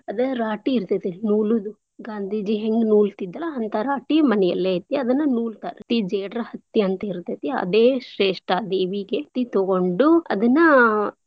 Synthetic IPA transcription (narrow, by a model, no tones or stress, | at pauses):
ɐd̪ɐɾaːʈiːɾt̪ɐt̪inuːlud̪u | ɡaːnd̪ʱiːd͡ʒiɦeŋɡnuːlt̪id̪ːɐlɐɐnt̪ɐɾaːʈimɐnɛjɐ̰lːet̪ːiɐd̪ɐnːɐnuːlt̪aːɾet̪ːid͡ʒeːɖɾɐhɐt̪ːiɐnt̪ɐiɾt̪ɐt̪iɐ̰d̪eːʃɾeːʂʈɐd̪eːʋiɡet̪ːit̪oɡoɳɖuɐ̰d̪ɐnːɐ